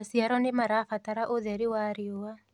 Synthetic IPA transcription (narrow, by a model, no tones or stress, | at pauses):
siaɾɔnemaɾafat̪aɾaʔoðaɾiwaɾiowa